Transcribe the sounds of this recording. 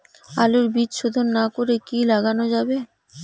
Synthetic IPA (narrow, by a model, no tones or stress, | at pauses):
aluɾbidʃod̪ʱonːakoɾekilaɡanod͡ʑabe